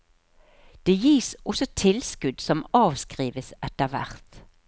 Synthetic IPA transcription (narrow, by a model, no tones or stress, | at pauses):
d̪̥eːjiːsʔɔsɔt̪ʰɪlskʉd̪sɔmɑːʋskʁiːʋəsɛt̪əʁʋæ̰ʁt̪